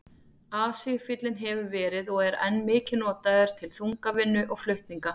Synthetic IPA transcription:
aːsifɪt̪lɪnɦɛvʏɾvɛːɾɪðɔɣɛɾɛ̰nːmɪːcɪnɔːt̪aðɛɾ̥t̪ʰɪlθuŋkavɪnːʏʔɔɣflœɥht̪iŋka

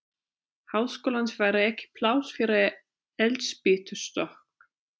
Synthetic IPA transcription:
hawðskoːlansvaːjɾaɛhcɪ̥pʰlaːwsfɪɾɪ | ɛlt̪spɪːt̪ʏɾ̥st̪ɔhk

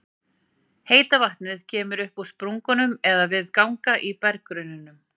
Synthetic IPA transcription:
heːjt̪avaht̪nɪðcʰɛːmʏɾʏhpuspɾuŋkʏnʏmɛðavɪðkawŋkaʔipɛɾkɾʏnʏnʏm

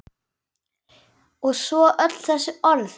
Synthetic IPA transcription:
ɔɣsvɔʔœt̪l̥θɛsːʏɔɾθ

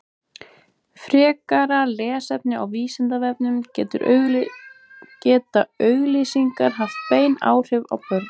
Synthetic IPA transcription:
fɾɛːkaɾalɛːsɛp̚nɪawviːsɪnt̪avɛp̚nʏmcɛ̰ːt̪ʏ̰ɾ | cɛːt̪aœɥɣlisiŋkaɾ̥ɦaft̪̚peːjna̰ːwr̥ɪva̰wpœɾ

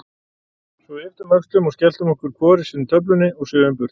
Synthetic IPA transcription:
sɔɛft̪ʏmœkst̪lʏmɔɣscɛl̥t̪ʏmɔhkʏɾ̥kʰvɔːɾɪsiːnt̪ʰœp̬lʏnːɪɔɣsʏːðʏmpʏɾ̥t̪

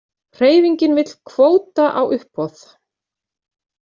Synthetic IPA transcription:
r̥eːjviɲcɪnvɪt̪l̥kʰvoːwt̪aʔawʔʏhpːɔθ

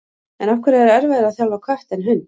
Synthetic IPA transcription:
ɛnafkvʏɾaɛɾɛɾvɛðɪaðθjawlvakʰvaht̪ɛnɦʏnː

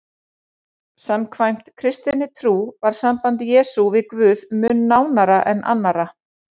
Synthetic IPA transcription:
samkʰvajm̥t̪kʰɾɪst̪ɪnɪt̪ʰɾuːvaɾ̥sampant̪jɛːsuvɪðkvʏːðmʏnːaːwnaɾaʔɛnʔa̰nːaɾa

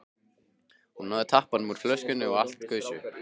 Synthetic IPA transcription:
hunhaðɪt̪ʰahpanmuɾ̥flœɥscʏnːɪɔɣal̥t̪kʰœːɥsʏ

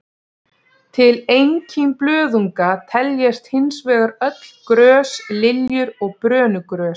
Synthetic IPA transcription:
t̪ʰɪlejɲcɪmplœːðuŋkat̪ʰɛljɛst̪hɪnsvɛːɣaɾœt̪l̥kɾœːslɪljʏɾɔɣpɾœːnʏkɾœːs

